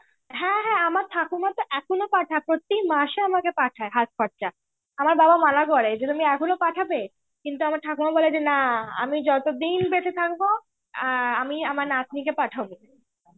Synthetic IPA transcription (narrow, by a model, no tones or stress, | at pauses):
ɦɛ̃ɦɛ̃amaɾt̪ʰakumat̪oʔɛkʰonopaʈʰapɾot̪imaʃeamakepaʈʰaeɦaskʰɔɾt͡ɕa | amaɾbabamanakɔɾed͡ʑet̪umiɛkʰonopaʈʰabe | kint̪̬uamaɾt̪ʰakumabɔled͡ʑenaa̰mid͡ʑɔt̪od̪inbet̪ʰet̪ʰak̚bo | amiamaɾnat̪nik̬epaʈʰabo